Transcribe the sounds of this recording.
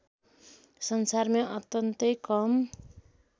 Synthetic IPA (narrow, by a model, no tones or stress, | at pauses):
sʌnsarmʌʔʌt̪ʌnt̪ʌjkʌm